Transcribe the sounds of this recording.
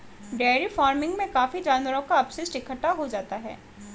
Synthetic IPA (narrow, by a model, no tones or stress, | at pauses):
ɖɛːɾifaːɾmɪ̃ŋɡmẽkaːfid͡ʒaːnʋəɾõkaɐpsɪsʈɪkʰəʈːaɦod͡ʒaːt̪aɦɛ̰ː